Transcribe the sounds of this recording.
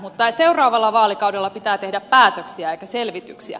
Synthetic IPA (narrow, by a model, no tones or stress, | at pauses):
mut̪ːɑseurɑːʋɑlːɑʋɑːlikɑudelːɑpit̪æːt̪ehdæppæːt̪øksiæeikæselʋit̪yksiæ̰